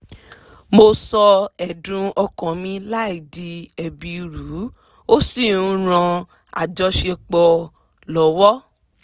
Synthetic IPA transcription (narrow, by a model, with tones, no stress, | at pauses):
mo˧sɔ˧ɛ˨dũ˧ɔ˧kɔ̃˨mĩ˧la˦i˨di˨ɛ˨bi˨˧ɾu˨˦ | o˦si˦˨ũ˦ɾ̃ã˧ | a̰˨d͡ʒɔ˨˧ʃe˧k͡pɔ˧ | lɔ˨˦wɔ˦